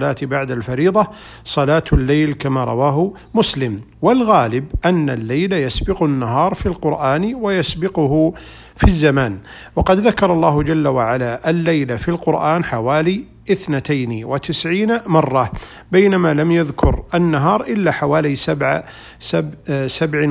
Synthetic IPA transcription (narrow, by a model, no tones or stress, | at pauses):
laːt̪baʕd̪alfɑɾiːðˤɑ | sˤɑlaːt̪lːeːlkamaɾˤɑ̰waːɦʊ | mʊslɪm | wɪlɣaːlɪbʔanːalːajlajasbɪqnːaɦɑːɾˤfilqʊɾʔaːnwajasbɪqʊhʊ | fizːamaːn | wɑqɑd̪ðakɑɾˤɑlˤːɑːhd͡ʒalːawaʕalaʔalːajlafilqʊɾʔaːnħawaːli | ʔɪθnat̪ajnwɪt̪ɪsʕiːnmɑrˤːɑ | bajnamalamjaðkʰʊɾʔanːaɦɑːɾˤʔɪlːaħawaːlisabʕa | sasabʕ